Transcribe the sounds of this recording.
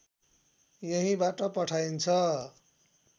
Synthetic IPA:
jeɦĩbaʈʌpʌʈʰajnt͡sʰʌ

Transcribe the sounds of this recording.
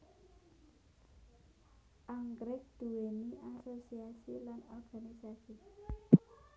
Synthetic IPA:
ʔaŋɡɾɪk̚d̪̥ṳweniʔasosiasilanɔrɡ̥anisasi

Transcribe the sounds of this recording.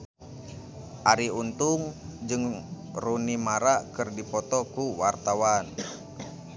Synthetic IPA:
ʔaɾiunt̪uŋd͡ʒɨŋ | runimaɾakɨrdipɔt̪ɔkuwart̪awan

